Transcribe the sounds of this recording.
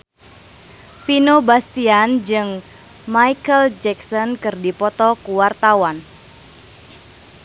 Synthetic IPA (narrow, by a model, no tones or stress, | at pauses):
finobast̪iand͡ʒɨŋ | majkəld͡ʒɛksɔnkɨrdipɔt̪ɔkuwart̪awan